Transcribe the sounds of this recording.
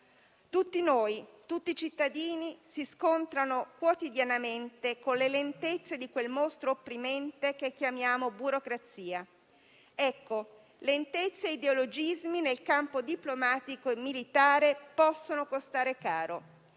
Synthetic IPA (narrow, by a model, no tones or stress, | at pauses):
t̪ut̪ːinoːjt̪ut̪ːiːt͡ʃit̪ːad̪iːnisiskont̪ɾanokwot̪id̪janament̪ekonlelent̪et̪sːed̪ikwelmost̪ɾoːpːɾimɛnt̪ekekːjamjaːmobuɾokɾat̪siːa | ɛkːo | lent̪et̪sːeid̪eolod͡ʒizminelkampod̪iplomaːt̪ikoemːilit̪aːɾepɔsːonokost̪aːɾekaːɾo